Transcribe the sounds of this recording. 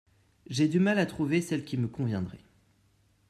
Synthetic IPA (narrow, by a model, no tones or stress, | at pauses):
ʒed̪ymalat̪χuvesɛlkʲiməkɔ̃vjɛ̃d̪ʁɛ̰